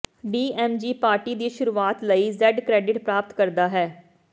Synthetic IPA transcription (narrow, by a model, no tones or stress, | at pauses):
ɖiːɛːmd͡ʒiːpaːɾʈiːd̪iːʃʊɾuːaːt̪ləiːzɛɖkɾɛːɖɪʈpɾaːp̚t̪kəɾd̪aːɦɛː